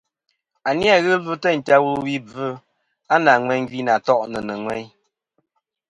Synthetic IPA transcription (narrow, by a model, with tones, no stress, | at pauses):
a˨nja˦˨ɣɨ˦vɨ˦tə˦˨n̩˨ta˦wu˦wi˦b͡vɨ˦ | a˦na˨ŋwɛ˨˦ŋ˦ɡi˦na˨tɔ˦ʔnə˨nə˨ŋwɛ˦ɲ